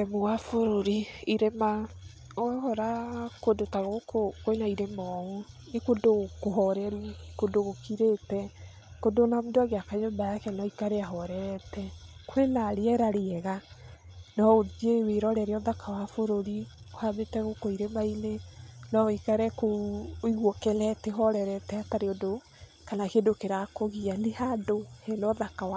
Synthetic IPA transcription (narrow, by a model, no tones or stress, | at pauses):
ɛmowafoɾoɾiiɾema | ɛhɔɾakodotaɣokokoenaiɾemɔonekodokoɦɔɾɛɾɛkodoɣokiɾetɛ | kodonamudoaɣeakaɲombajakɛnɔikaɾeaɦɔɾɛɾɛtɛkoenaɾeɛɾaɾeɛɣa | nɔod͡ʒeweɾɔɾɛɾeɔðakawafoɾoɾiko̥habetɛɣokoiɾemainenɔikaɾɛkooiɣwɔkɛlɛteɦɔɾɛɾɛtɛataɾeodo | kanakedokeɾakoɣianehadohɛlɔðakawa